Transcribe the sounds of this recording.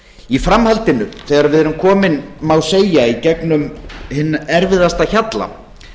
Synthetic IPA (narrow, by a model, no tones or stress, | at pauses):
ifɾamhalt̪ɪnʏθɛːɣaɾvɪðɛɾʏmkʰɔːmɪnmawseːjaicɛknʏmhɪnːɛɾvɪðast̪açat̪la̰